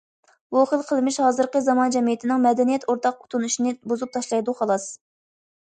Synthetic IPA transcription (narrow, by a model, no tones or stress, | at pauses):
buχəlˠqʰəlˠmɪʃhɑːzɨɾqəzɑmɑnd͡ʒɛmijit̪ʰɪnɪŋmɛd̪ɛnijɛt̪ʰoɾt̪ʰɑqu̥t̪ʰunuʃinɨbozup̚t̪ʰɑʃlˠɑjd̪uχɑlˠɑs